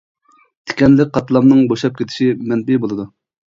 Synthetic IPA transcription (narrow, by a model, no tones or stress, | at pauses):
t̪ʰe̥kʲɛnlɪk̚ʲqʰɑt̪ʰɨlˠɑmnɨŋboʃˠɑp̚kʲet̪ʰɪ̥ʃimɛnbɪbolˠɨd̪u